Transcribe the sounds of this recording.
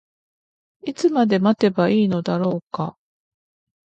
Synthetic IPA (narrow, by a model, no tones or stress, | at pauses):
it͡sɨmad̪e̞mat̪e̞baiːno̞d̪aɾo̞ːka